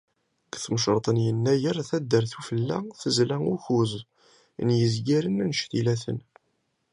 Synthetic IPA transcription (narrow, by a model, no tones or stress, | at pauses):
kθmʃɾˤt̪ˤənjənːæjəɾθæd̪ːəɾθufəlːæ̰θəzlæuçuz | njəzɡiɾənnʃt̪ilæθə̰n